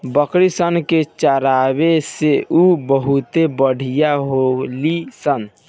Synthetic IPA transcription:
bəkɾisənket͡ʃəɾabeseʔubəɦut̪ebəɽ̤ʱijaɦolisən

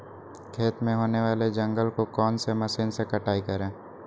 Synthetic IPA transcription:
kʰeːt̪mẽɦoːneʋaːled͡ʒɐ̃ŋɡəlkokɔːnsemɐsiːnsekɐʈaːikɐɾẽː

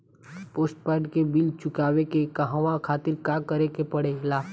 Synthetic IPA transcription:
poːsʈ̚paːɾʈkebɪlt͡ʃʊkaːwekekəɦãʋãkʰaːt̪ɪɾkakəɾekepɐɽelaː

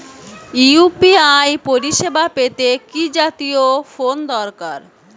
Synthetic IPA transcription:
iupiajpoɾiʃebapet̪ekid͡ʑat̪iofond̪ɔɾkaɾ

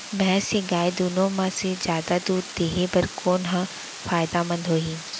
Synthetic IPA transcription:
bɛɦseɡaːjd̪uːnõmãsed͡ʒjaːd̪ad̪uːɾd̪eːɦebɐɾkʰoːnɦã | faːjd̪amɐ̃nd̪ɦoːɦiː

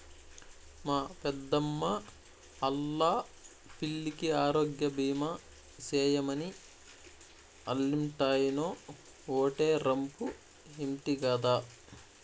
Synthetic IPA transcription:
maːpɛd̪ːɐmːɐ | ɐlːaː | piɭːikiaːɾoːɡjɐbiːmɐ | sɛːjɐmɐni | ɐlːimʈaːjinoː | oːʈeːɾɐmpu | imʈiɡɐːd̪aː

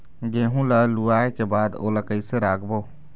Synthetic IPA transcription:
ɡeːɦũləluaːekebaːd̪o̰ːləkəiseɾaːkʰboː

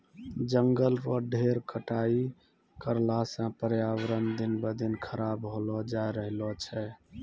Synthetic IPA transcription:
d͡ʒəŋɡəlpəɾɖʱeɾkəʈai | kəɾlasə̃pəɾjawɾənd̪inbəd̪ʱinkʰəɾabɦolɔd͡ʒajɾəɦlɔt͡ʃʰɛ

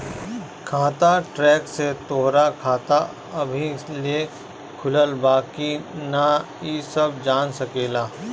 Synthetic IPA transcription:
kʰaːt̪aʈɾɛːkset̪oːɦɾakʰaːt̪a | ɐbʱile | kʰʊləlbaːkina | isɐbd͡ʒaːnsɐkeːlaː

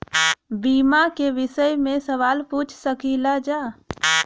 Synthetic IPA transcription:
biːmakeʋɪsəjmẽsəʋaːlput͡ʃʰsəkilad͡ʒa

